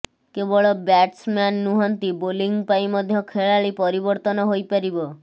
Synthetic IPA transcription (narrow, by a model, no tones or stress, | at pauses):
kebɔɭɔbaʈsmanːuɦɔnt̪iboliŋɡpaimɔd̪ʱjɔkʰeɭaɭipɔɾibɔɾt̪ɔnɔɦojpaɾibɔ